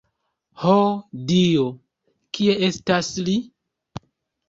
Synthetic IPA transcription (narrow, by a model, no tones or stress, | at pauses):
hodio | kie̞e̞stasli